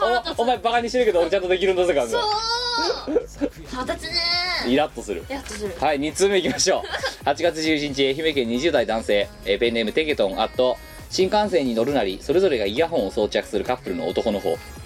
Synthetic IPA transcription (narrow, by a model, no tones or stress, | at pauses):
oomaebakaɲ̟iɕeɾɯ̟ke̞d̪ooɾet͡ɕãnt̪o̞d̪e̞kʲiɾɯ̟nsekãɡ | iɾat̪ːo̞sɨɾɯ̟haiɲ̟it͡sɨme̞ikʲimaɕo̞ːhat͡ɕiɡat͡sɨʑɨːʑiɲ̟it͡ɕieçime̞kẽ̞ɲ̟ːiʑɨːd̪aid̪ãɰ̃se̞ː | ebenemɯ̟t̪e̞ɡe̞t̪õ̞ŋat̪ːo̞ | ɕĩŋkãɰ̃sẽ̞ɲ̟ino̞ɾɯ̟naɾʲiso̞ɾe̞zo̞ɾe̞ɡaijaɦõ̞ɰ̃oso̞ːt͡ɕiakɯ̟̥sɨɾɯ̟kapːɯ̟ɾɯ̟no̞̰ːt̪o̞ko̞no̞ɦo̞̰ː